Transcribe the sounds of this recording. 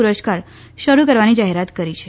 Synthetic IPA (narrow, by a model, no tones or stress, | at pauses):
uɾəskaɾ | ɕəɾukəɾʋanid͡ʒaɦeɾat̪kəɾit͡ʃʰe